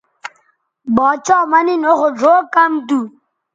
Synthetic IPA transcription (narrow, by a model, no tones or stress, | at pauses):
bɔːt͡ʃɔːmaninoɣoʐoːkamd̪u